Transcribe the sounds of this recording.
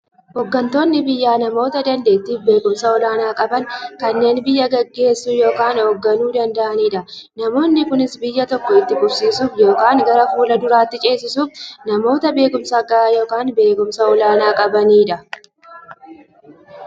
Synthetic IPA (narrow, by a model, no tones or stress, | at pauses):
hɔɡːɐnt̪o̞ːnːɪbɪjːaːnɐmo̞ːt̪ɐd̪ɐnd̪e̞ːt̪ːiːfbe̞ːkʊmsɐɔlaːnaːkʼɐbɐŋkɐnːe̞ːnbɪjːɐɡɐɡːe̞ːsːuːjo̞ːkaːnhɔɡːɐnuːd̪ɐnd̪ɐʔɐniːᶑɐnɐmo̞ːnːɪkʊnɪsbɪjːɐt̪ɔkːɔɪt̪ːɪɡʼʊbsiːsuːfjo̞ːkaːŋɡɐɾɐfuːlɐd̪ʊɾaːt̪ːɪt͡ʃʼe̞ːsːɪsuːfnɐmo̞ːt̪ɐbe̞ːkʊmsɐɡɐaːjo̞ːkaːnbe̞ːkʊmsɐɔlaːnaːkʼɐbɐniːᶑɐ